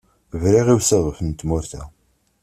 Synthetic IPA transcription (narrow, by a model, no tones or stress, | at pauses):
vɾiʁiwsəʁfənt̪mʊɾθæ̰